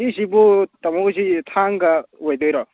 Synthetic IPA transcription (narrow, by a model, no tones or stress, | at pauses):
izibut̪ɐmozitʰaŋɡɐojd̪ojɾɔ